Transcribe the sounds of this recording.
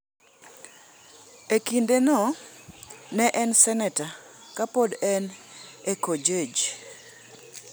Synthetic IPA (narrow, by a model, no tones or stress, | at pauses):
ekindenɔ | nɛʔɛnsɛnɛtakapodɛnekod͡ʒed͡ʒ